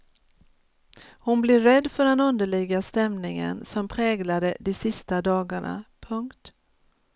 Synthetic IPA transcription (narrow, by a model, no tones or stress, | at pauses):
hʊnblɪːɛd̪ːfœɖɛnɵnd̪əɭɪɡast̪ɛmnɪŋə̰nsɔmpʰɾɛːɡlad̪əd̪ɪsɪst̪ad̪ɑːɡaɳa̰pʰɵŋkt̪